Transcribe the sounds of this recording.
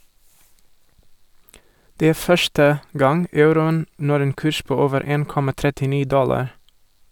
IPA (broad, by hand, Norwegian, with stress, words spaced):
ˈdeː ˈæː ˈfœʃtə ˈɡɑŋ ˈɑʉɾʊən ˈnɔɾ ˈeːn ˈkʉːʃ ˈpoː ˈoːʋəɾ ˈeːn ˈkɔmɑ tɾɛtɪˈniː ˈdɔlɑɾ